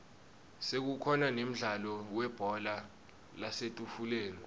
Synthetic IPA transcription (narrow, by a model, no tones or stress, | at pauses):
sek̬ukʰɔnanem̩ɮalɔwɛb̥ʱɔla | lasetʼufuleːni